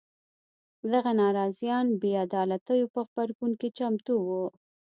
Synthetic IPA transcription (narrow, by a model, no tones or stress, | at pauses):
d̪aɣanɑɾɑzjɑnbead̪ɑlat̪əjopəxbaɾɡunket͡ʃamt̪uwu